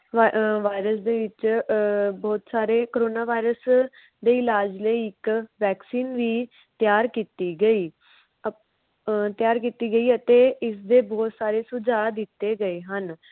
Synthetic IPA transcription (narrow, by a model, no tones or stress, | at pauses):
ʋaːɪɾəsd̪eːʋɪt͡ʃ | bɔːt̪saːɾeːkoɾoːnaːʋaːiɾəs | d̪eːɪlaːd͡ʒləiːɪkʋɛːksiːnʋiː | t̪jaːɾkiːt̪iːɡəiː | t̪jaːɾkiːt̪iːɡəiːət̪eːɪsd̪eːbɔːt̪saːɾeːsʊd͡ʒaːd̪ɪt̪ːeːɡəeːɦən